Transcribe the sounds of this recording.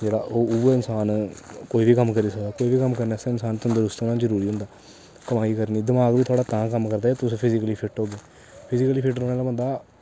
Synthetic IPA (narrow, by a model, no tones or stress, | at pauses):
d͡ʒeːɽa̰ːʔoːuːaɪnsaːnkoːiːʋiːkəmkəɾiːsəkd̪aːkoːiːʋiːkəmkəɾnaːsẽɪnsaːnt̪ʊ̃nd̪əɾʊst̪ːnãːd͡ʒəɾuːɾiːɦʊ̃nd̪aː | kəmaːiːkəɾniːd̪ɪmaːɡʋiːt̪ʰaːɽaːt̪ãːkəmkəɾd̪aːt̪ʊspʰɪzɪkəliːpʰɪʈɦoːɡeː | pʰɪzɪkəliːpʰɪʈɾõːnaːlaːbə̃nd̪aː